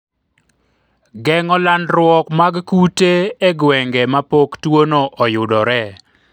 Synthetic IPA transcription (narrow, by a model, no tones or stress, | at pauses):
ɡɛŋɔlandɾwɔkmaɡkuteeɡwɛŋɡɛmapoktwonoʔɔjʊdɔɾɛ